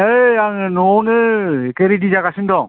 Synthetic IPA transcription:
eaŋnonɯkeɾidid͡ʒakasindɔŋ

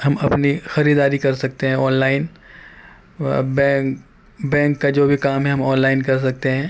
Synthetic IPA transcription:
ɦɐmɐpnixɐɾiːd̪aːɾikɐɾsɐk̚t̪eɦɛ̃ɔːnlaːɪn | bɛː | bɛ̃ːŋkːad͡ʒoːbʱikaːmɦɛɦɐ̃mɔːnlaːɪnkɐɾs̬ɐk̚t̪eɦɛ̃ː

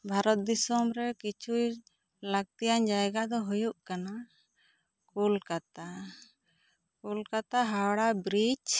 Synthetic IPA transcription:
bʱaɾɔt̪̚d̪isɔmɾɛkit͡ʃʰuj | laɡ̚t̪ijaɲd͡ʒajɡad̪ɔɦujuʔkana | kulkat̪a | kulkat̪aɦawɽabɾit͡ʃ

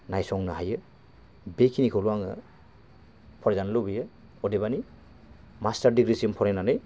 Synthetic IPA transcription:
najsɔŋnɐɦajɯ | bekʰinikʰoluaŋɯ̰ | pʰɔɾezanlobijɯ | ɔdebani | mastaɾdiɡɾisiɯmpʰɔɾenanɯj

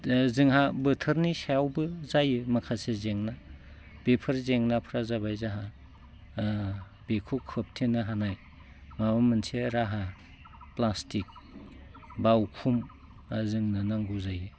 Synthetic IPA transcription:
zɯŋɦabɯtʰɯɾnisajawbɯzajɯmakʰasezeŋna | b̥epʰɯɾzeŋnapʰɾazabajzaɦa | b̥ekʰukʰɯp̚tʰinaɦanaj | mamamɯnsʰeɾaɦa | plastik̚ | bawkʰum | zɯŋnanaŋɡuzajɯ

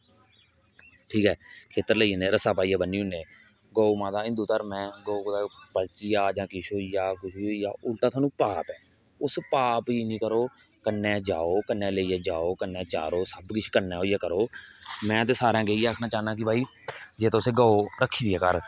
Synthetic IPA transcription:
ʈʰiːkɛːkʰeːt̪əɾləiːneːɾəsaːpaːiːjãːbəniːʊneː | ɡoːoːmãːd̪aːɪ̃nd̪uːt̪əɾmɛ̃ːɡoːokd̪aːpəlt͡ʃiːaːd͡ʒãːkɪʃoːijaːkʊʃʰiijaːʔʊlt̪aːt̪ʰaːnũːpaːpɛː | ʊspaːpiːnĩːkəɾoː | kənːẽːd͡ʒaːoːkənːẽːləiːaːd͡ʒaːoːkənːeːt͡ʃa̰ːɾoːsəbkɪt͡ʃʰkənːẽːɦoːijaːkəɾoːmɛ̃ːət̪̬eːsaːɾãːɡeiaːkʰnaːt͡ʃaːnãːk̬ɪbʱaːiː | d͡ʒeːt̪oseːɡoːoːɾəkʰːiːd̪iɛːkəɾ

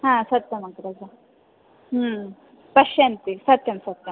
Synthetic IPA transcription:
ɦãːsɐt̪jɐmɐɡɐɾɐɡɐ | pɐʃjɐnt̪isɐt̪jɐmsɐt̪jɐm

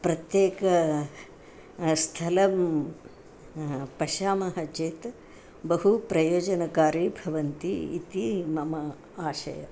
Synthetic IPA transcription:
pɾɐt̪jeːkɐ | st̪ʰɐlɐm | pɐʃaːmɐɦɐt͡ʃeːt̪ | bɐɦupɾɐjoːd͡ʒɐnɐkaːɾiːbʱɐʋɐnt̪iit̪imɐmɐ | aːʃɐ̰jɐ̰

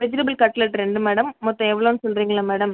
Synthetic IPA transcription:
pɾɪd͡ʒɪɾɐbɪlkɐʈːlɐʈːɾɛɳɖɯmɛːɽɐmːɔt̪ːɐ̃ɛʋːɐɭoːnsɔnriːŋɡɐɭɐmɛːɽɐm

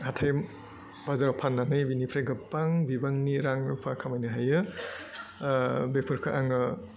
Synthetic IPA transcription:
hatʰajm | bazaɾapʰanːanɯjbinipʰɾajɡɯpːaŋbibaŋniɾaŋɾṵpʰakʰamajnɯɦajɯ | bepʰɯɾkʰɯʔaŋɯ

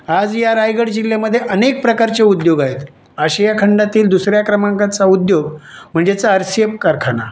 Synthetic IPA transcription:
ad͡zjaɾajɡəɽd͡ʑiljaməd̪ʱːjeʔənek̚pɾəkaɾt͡ɕeud̪joɡaɦet̪ | əɕajakʰəɳɖat̪iːld̪usɾjakɾəmãŋkat͡saud̪joɡm̤əɳd͡zet͡saəɾsepkəɾkʰana̰

